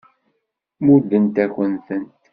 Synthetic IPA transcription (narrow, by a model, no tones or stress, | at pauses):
muɾd̪ənt̪æçənθənt̪